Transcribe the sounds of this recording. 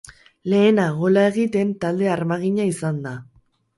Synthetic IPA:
le̞ːnaɣo̞lae̞ɣit̪e̞nt̪ald̪e̞aɾmaɣ̞iɲaisand̪a

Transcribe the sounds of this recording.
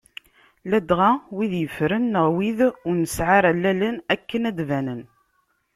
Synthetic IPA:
læd̪ʁawiðjəfɾənːəʁwiðʊɾnəsʕaɾælːælənækːənæd̪vænən

